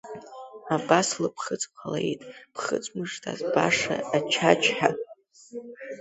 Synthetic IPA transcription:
abaslapʰχət͡sʼqʷʰalajtʼpʰχə̰t͡sʷʼmɨʂtʰʼazbaʂa̰ːt͡ʃʰat͡ʃʰʼħa

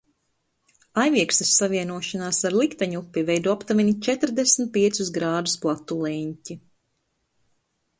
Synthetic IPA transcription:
ajviɛkst̪ɐsːaviɛnuɔʃanaːsaɾlˠikt̪aɲupʲːivɛjd̪uːapt̪avinʲit͡ʃɛt̪ɾd̪esmt̪̚piɛt̪susɡɾaːd̪usplˠat̪ːulˠɛɲcʲi

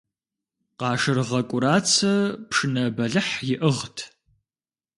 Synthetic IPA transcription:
qɑːʂɨrʁɐkʷʼʊɾaːt͡sʰɐpʂɨnɐbɐɮɨħjɪʔəʁtʰ

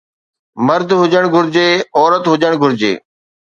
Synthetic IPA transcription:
məɾd̪ʱɦʊd͡ʒəɽ̃ɡʱʊɾd͡ʑeːɔːɾət̪ɦʊd͡ʒəɽ̃ɡʱʊɾd͡ʑḛː

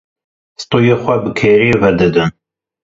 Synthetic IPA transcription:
st̪oːjeːxʷɛbɨkʰeːɾevɛɾd̪ɨd̪ɨn

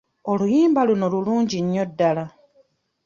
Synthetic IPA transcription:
o̞lujiːmbaluno̞luluːɲɟiɲːo̞dːala

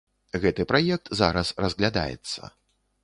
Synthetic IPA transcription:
ɣɛt̪ɨpɾajɛk̚t̪zaɾɐsrɐzɣlʲad̪a̰jɛ̰t̪sːɐ̰

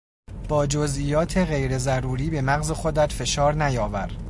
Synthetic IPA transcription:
b̥ɒːd͡ʒozʔiːjɒːt̪ʰe̞ɣe̞jɾe̞zæɾuːɾiːbe̞mæɣze̞xod̪æt̪fe̞ʃɒːɾnæjɒːvæɾ

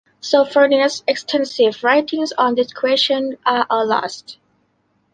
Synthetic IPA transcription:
sofənisɛkstʰɛ̃nsɪvɹaɪtʰɪ̃ŋzɔ̃ndɪskʰɹeʃə̃naʔəlɔ̰st

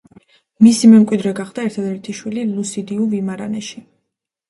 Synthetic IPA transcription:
misimɛmkʼwid̪ɾɛɡaχd̪̥aɛɾt̪ʰad̪ɛɾt̪ʰiʃwililˠusid̪iuvimaɾa̰nɛʃi

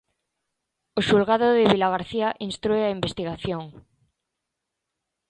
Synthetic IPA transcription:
oʃulɣaðoðeβilaɣaɾθiaʔinst̪ɾueaimbest̪iɣaθjoŋ

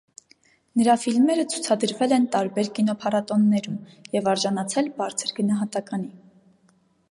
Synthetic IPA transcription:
nəɾɑfilmɛɾət͡sʰu̥t͡sʰɑd̪əɾvɛlɛnt̪ɑɾbɛɾkinɔpʰɑrɑt̪ɔnːɛɾumjɛvɑɾʒɑnɑt͡sʰɛlbɑɾt͡sʰəɾɡənɑɦɑt̪ɑkɑni

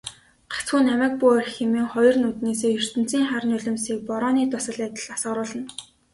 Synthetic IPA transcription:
ɢḁt͡sxuːnæmæːk̚puɔrʲxemiːŋχɔjɞ̆rnuːt̪neːseːɵr̥t̪ɘ̆n̥t͡siːŋχaɾə̆nɵɮʲɪ̆msiːk̚pɔɾɔːniːt̪ʊsə̆ɮæt̪ə̆ɮasə̆ɾʊːɮə̆n

